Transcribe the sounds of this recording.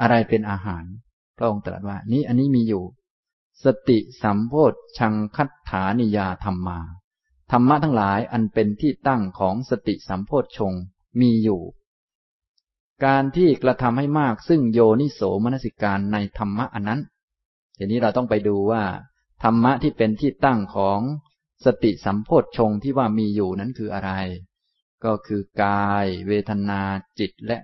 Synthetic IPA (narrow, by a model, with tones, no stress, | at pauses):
ʔa˧ɾa˧jpe˧nʔaː˧ɦaː˩˦n | pʰɾa˦˥ʔo˧ŋt̪ɾa̰˨˩t̪̚waː˥˩niː˦˥ʔa˧nːiː˦˥miː˧juː˨˩ | sa˧t̪i˨˩ʔsa˩˦mpʰoː˥˩t̪̚t͡ɕʰa˧ŋkʰa˦˥t̪ʰːaː˩˦ni˧jaː˧t̪ʰa˧mːaː˧ | t̪ʰa˧mːa˦˥ʔt̪ʰa˦˥ŋlaː˩˦jʔa˧npe˧nt̪ʰiː˥˩t̪a˥˩ŋkʰɔː˩˦ŋsa˧t̪ḭ˨˩ʔsa˩˦mpʰoː˥˩t̪̚t͡ɕʰo˧ŋ | miː˧juː˨˩ | kaː˧nt̪ʰiː˥˩kɾa˧t̪ʰa˧mha˥˩jmaː˥˩k̚sɯ˥˩ŋjoː˧ni˦˥˩soː˩˦ma˧na˥si˨˩kaː˧nːa˧jt̪ʰa˧mːa˦˥ʔa˧nːa˦˥n | t̪ʰa˧˩˨nːiː˦˥ɾa˧wt̪ɔ˥˩ŋpa˧jduː˧waː˥˩ | t̪ʰa˧mːa˦˥ʔt̪ʰiː˥˩pe˧nt̪ʰiː˥˩t̪a˥˩ŋkʰɔː˩˦ŋ | sa˧t̪i˨˩ʔsa˩˦mpʰoː˥˩t̪̚t͡ɕʰo˧ŋt̪ʰiː˥˩waː˥˩miː˧juː˨˩na˦˥nkʰɯː˧ʔa˧ɾa˧j | kɔː˥˩kʰɯː˧kaː˧jweː˧t̪ʰa˧naː˧t͡ɕi˨˩t̪̚lɛ˦˥ʔ